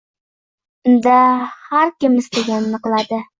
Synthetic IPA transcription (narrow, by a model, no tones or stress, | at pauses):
d̪ahaɾkʲɪmɪst̪eɡʲanːɨqlˠad̪ɪ